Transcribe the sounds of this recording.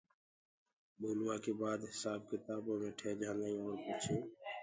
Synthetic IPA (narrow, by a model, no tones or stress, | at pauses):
ɓoːlwaːkeːbaːd̪ɦɪsaːb̚kɪt̪aːboːmẽːʈʰeːd͡ʒãːnd̪aĩɔːɾpət͡ʃʰoː